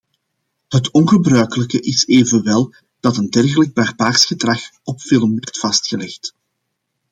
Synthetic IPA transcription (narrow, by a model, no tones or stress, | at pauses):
hɦətɔnɣəbrœɥkələkəʔɪseːvənʋɛlˠ | d̥ɑtəndɛrɣələɡ̚barbaːrsxədrɑxɔpfɪlˠmwɛrtfɑstxəlɛxt